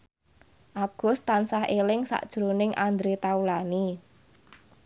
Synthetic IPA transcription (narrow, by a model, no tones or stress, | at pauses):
ʔaɡ̥ʊ̤st̪ːansaɦelɪŋsa̰ʔd̥ʒ̥ɾonɪŋʔand̪ɾet̪aulani